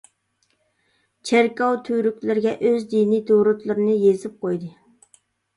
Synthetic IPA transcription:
t͡ʃʰeɾkɑwt̪ʰyɾykʲlɪɾɪɡʲɛʔøzd̪inid̪uɾut̪lˠɨɾɨnɨjezɪp̚qʰojd̪ɨ

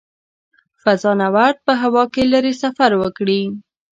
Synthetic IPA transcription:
fazɑnawaɾd̪̚pəɦawɑkeləɾesafaɾwəkɽi

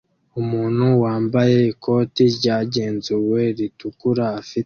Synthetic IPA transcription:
umuːn̥huwaːmbaje̞ikʰo̞ːtiɾɟaːɟe̞ːnzuwe̞ɾitukuɾaːfi

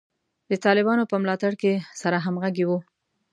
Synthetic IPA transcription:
d̪ət̪ɑlɪbɑnopəmlɑt̪aɽkesaɾaɦamɣaɡewu

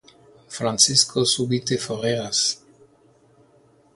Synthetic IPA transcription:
fɾãnt͡siskʰosuβit̪efoʁeas

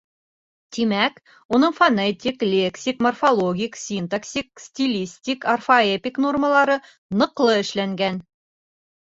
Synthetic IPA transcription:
t̪imæk | unɤɴfɐnet̪ʲiklʲe̞ksʲikmorfolˠoɡʲiksʲint̪ɐksʲik̚sʲtʲilʲisʲtʲikɐrfɐepʲikno̞rməlˠɑɾɤ | nɤ̆qlˠɤɘ̆ʃlæŋɡæn

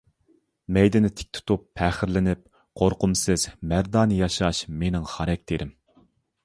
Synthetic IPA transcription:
mɛjd̪ɪnɪt̪ʰɪ̥k̚ʲt̪ʰu̥t̪upʰːæːχɪɾlɪnɪp̚ | qʰoɾqʊmsɨz̥mæɾd̪ɑːnɨjɑʃɑʃmenɪŋχɑɾɛk̚ʲt̪ʰeɾɪm

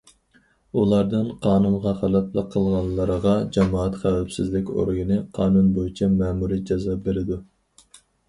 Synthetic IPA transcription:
ulˠɑɾd̪ɨnqʰɑːnunʁɑχælɛt̪lˠəqʰːəlˠʁɑnlˠːəɾəʁɑd͡ʒɑmɑːɑt̪χæwɛpsɪzlɪkʲo̰ɾjinɨqʰɑːnunbojit͡ʃʰɛmɛːmuɾid͡ʒɑzɑbeɾɪd̪u

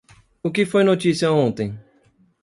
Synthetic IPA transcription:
ʊkɪfojnot͡ʃ̪isiɐõnt̪ẽj̃

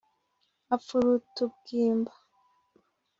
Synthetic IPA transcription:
afuɾutub̚ɡiːmbḁ

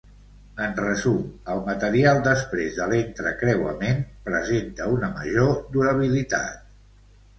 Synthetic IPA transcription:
ənrəzuməlˠmət̪əɾialˠd̪əspɾezðəlent̪ɾə̰kɾɛwə̰menpɾəzent̪əunəməʒod̪uɾəβ̞ilit̪a̰t̪̚

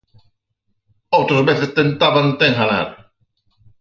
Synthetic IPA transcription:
owt̪ɾozβeθest̪ent̪aβant̪eŋɦala̰ɾ

